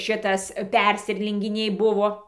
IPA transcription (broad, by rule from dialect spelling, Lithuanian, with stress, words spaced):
ˈʋɐ ɪr ˈʃʲɪtɐs ˈpʲɛrʲsʲɪˈrʲæːlʲɪŋʲɡʲɪnʲɛɪ ˈbʊʋoː